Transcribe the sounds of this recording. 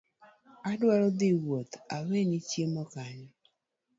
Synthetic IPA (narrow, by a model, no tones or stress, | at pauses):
adwaɾɔd̪ɪwot̪awenit͡ʃjemɔkaɲɔ